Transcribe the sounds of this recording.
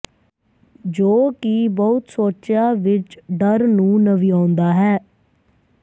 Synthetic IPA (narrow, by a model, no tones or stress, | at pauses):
d͡ʒoːkibəʊt̪soːt͡ʃjaːʋɪt͡ʃɖəɾnũːnəʋiːãːnd̪aːɦɛː